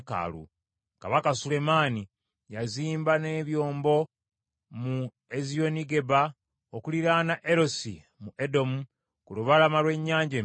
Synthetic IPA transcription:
ka̰lṵ | kaβakasule̞maːni | jaziːmbane̞ːβjo̞ːmbo̞ | mu | ezijo̞niɡe̞ba | okuliɾanaʔeɾo̞sḭ | muʔe̞do̞mu | kuluβalamalwe̞ɲːaːɲɟe

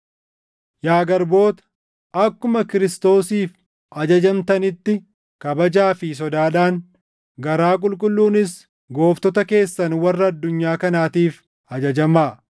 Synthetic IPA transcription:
jaːɡɐɾbo̞ːt̪ɐ̥ | ɐkːʊmɐkɪɾɪst̪o̞ːsiːf | ɐd͡ʒɐd͡ʒɐmt̪ɐnɪt̪ːɪ | kɐbɐd͡ʒaːfɪs̬ɔd̪aːᶑaːŋ | ɡɐɾaːk̬ʼʊlkʼʊlːuːnɪs | ɡo̞ːft̪ɔt̪ɐke̞ːsːɐnwɐrːɐːd̪ːʊɲːaːkɐnaːt̪iːf | ɐd͡ʒɐd͡ʒɐmaː

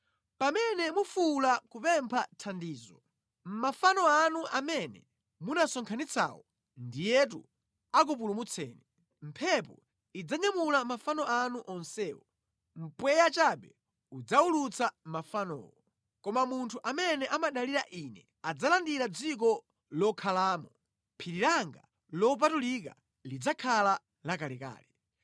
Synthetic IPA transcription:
pamɛnɛmufulakupɛmpʰatʰandiːzɔ | m̩mafanɔanuʔamɛnɛ̰ | munasɔŋkʰanit͡sʰa̰wɔ | ndijɛt̬u | ak̬up̬ulumut͡sʰɛ̰ːnɛ | m̩pʰɛp̬ɔ̰ | id͡zaɲamulamafanɔanuʔɔnsɛːwɔ | m̩pwɛjat͡ʃaɓɛ | ud͡zaulut͡samafanɔ̰ːwɔ | kɔmamuntʰuʔamɛnɛʔamaɗaliɾaʔinɛ | ad͡zalandiɾad͡zik̬ɔ | lɔkʰalaːmɔ | pʰiɾiɾaŋɡa | lɔp̬atulik̬a | lid͡zakʰala | lakalɛka̰ːlɛ

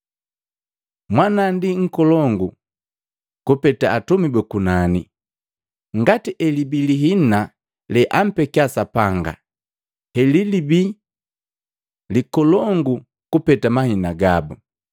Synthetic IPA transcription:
mwanandiŋ̩kɔlɔŋɡu | kupɛtaːtumibɛkunani | ŋɡatiʔɛlibiliɦina | lɛʔam̩pɛkiasapaŋɡa̰ | hɛlilibi | likɔlɔŋɡu | kupɛtamahinaɡabu

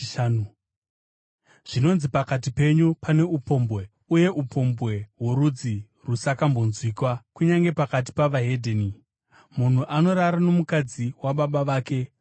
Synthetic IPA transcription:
nu | ʐ̥ino̞nzipakat̬ipe̞ɲupane̞upo̞mbwe̞ | uje̞ʔupʰo̞mbwe̞ɦwoɾud͡zi | rusakambo̞nzwiːkwakuɲaŋɡe̞pakat̬i̥paʋaɦe̞dʱeni | mun̤uʔano̞ɾaɾano̞mukad͡ziwaɓaɓaʋaːke̞

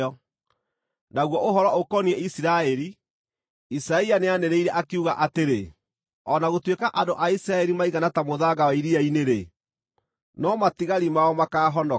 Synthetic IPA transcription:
ɔ | naɣwɔʔoɦɔɾɔokɔniɛisiɾaɛɾi | isaianeanɛɾeiɾɛʔakeuɣaʔateɾe | ɔnaɣotwekaʔandoʔaisiɾaɛɾimaiɣanatamoðaɣawaiɾiaineɾe | nɔmatiɣaɾimaɔmakaːɦɔndɔ

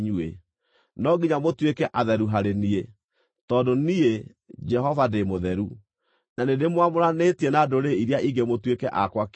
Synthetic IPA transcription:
ɲue | nɔɡiɲamotwekɛʔaðɛɾuɦaɾenie | tɔndonie | d͡ʒɛɦɔvademoðɛɾu | nanedemwamoɾanetienadoɾeiɾjaʔiɡemotwekɛʔakwak

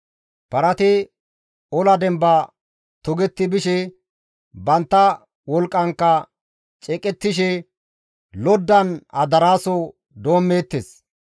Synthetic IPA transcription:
pɐɾɐt̪ɪ | ɔlɐd̪ɛmbɐ | t̪ɔɡɛt̪ːɪbɪʃɛ | bɐnt̪ːɐ | wɔlkʼːɐŋkːɐ | t͡ʃʼɛkʼɛt̪ːɪʃ̬ɛ | lɔd̪ːɐnɐd̪ɐɾaːsɔ | d̪o̞ːmːeːt̪ːes

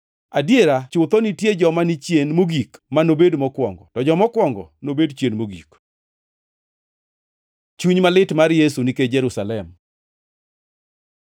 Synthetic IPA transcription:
adjeɾat͡ʃʊt̪ɔnitjed͡ʒɔmanit͡ʃjenmoɡikmanobedmɔkwɔŋɡɔ̰tɔd͡ʒɔmɔkwɔŋɡɔ̰nobedt͡ʃjenmoɡḭk | t͡ʃuɲmalɪtmaɾjesuniked͡ʒɛɾusalɛm

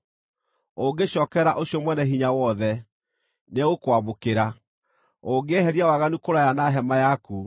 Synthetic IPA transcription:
oɡeɕɔːkɛɾaʔoɕjɔmwɛnɛɦiɲawɔðɛ | neɣokwamokeɾa | oŋɡehɛɾiawaɣanukoɾajanaɦɛmajaku

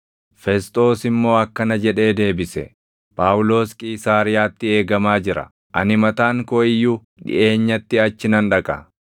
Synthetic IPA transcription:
fɛst̪ʼo̞ːsɪmːo̞ːɐkːɐnɐd͡ʒɛᶑe̞ːd̪e̞ːbɪsɛ̰ | pʼaːwʊlo̞ːskʼiːsaːɾɪjaːt̪ːɪe̞ːɡɐmaːd͡ʒɪɾɐ̰ | ʔɐ̰nɪmɐt̪aːŋkoɪjːu | ᶑɪ̰ʔe̞ːɲːɐt̪ːɪɐt͡ʃːɪnɐnᶑɐkʼɐ

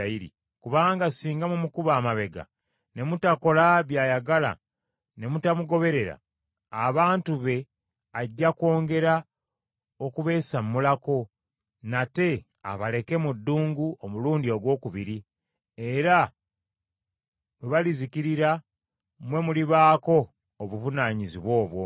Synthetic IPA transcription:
iɾḭ | kuβaːŋɡasiːŋɡamumukuβaːmaβe̞ɡa̰ | ne̞mutako̞laβjaːjaɡala̰ | ne̞mutamuɡo̞βe̞ɾe̞ɾa̰ː | βaːntuβe̞ | aɟːako̞ːŋɡe̞ɾa | o̞kuβe̞ːsammːulako̞ | nate̞ | a̰βale̞ke̞mudːuːŋɡuomuluːndio̞ɡwo̞ːkuβiɾi | e̞ɾa | mweβalizikiɾiɾa | mwe̞muliβaːko̞ː | βuvunaːɲiziβwo̞ːβwo̞̰

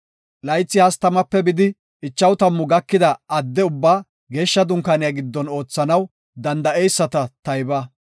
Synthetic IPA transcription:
lɐjt͡sːɪhɐst̪ɐmɐpːɛbɪd̪ɪ | ɪt͡ʃːɐwt̪ɐmːʊɡɐkːɪd̪ɐʔɐd̪ːɛʊbːaː | ɡe̞ːʃːɐd̪ʊŋkɐnɪjɐɡɪd̪ːɔno̞ːt͡sːɐnɐw | d̪ɐnd̪ɐejsːɐt̪ɐt̪ɐjbɐ

